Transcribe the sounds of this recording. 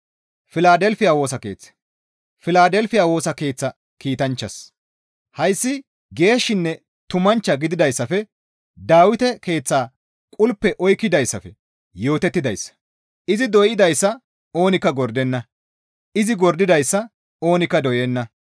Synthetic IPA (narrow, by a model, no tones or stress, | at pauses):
fɪlaːd̪ɛlfɪjaːwoːsɐke̞̰ːt͡sːɛ̥ | fɪlaːd̪ɛlfɪjaːwo̞ːsɐke̞ːt͡sːɐ | kiːt̪ɐnt͡ʃːɐs | hɐjsːɪ | ɡe̞ːʃːɪnːɛ | t̪ʊmɐnt͡ʃːɐɡɪd̪ɪd̪ɐjsːɐfɛ | d̪aːwɪt̪ɛke̞ːt͡sːaː | kʼʊlpːɛʔɔjkːɪd̪ɐjsːɐfɛ | jo̞ːt̪ɛt̪ːɪd̪ɐjsːɐ̥ | ɪzɪd̪ɔjɪd̪ɐjsːɐ | o̞ːnɪkːɐɡɔɾd̪ɛnːɐ | ɪzɪɡɔɾd̪ɪd̪ɐjsːɐ | o̞ːnɪkːɐd̪ɔjɛnːɐ